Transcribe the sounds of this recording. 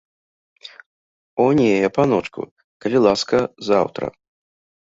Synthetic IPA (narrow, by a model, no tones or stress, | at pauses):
ɔnʲejjɛpanɔt͡ʂkṵ | kɐlʲilˠaskɐza̰wt̪ɾɐ̰